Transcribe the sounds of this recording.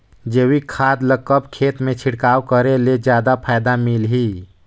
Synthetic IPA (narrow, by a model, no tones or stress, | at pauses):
d͡ʒeːwikʰaːd̪ləkːəbkʰeːt̪mẽt͡ʃʰɪɽkaːwkəɾeled͡ʒjaːd̪apʰaːɪd̪amilɦi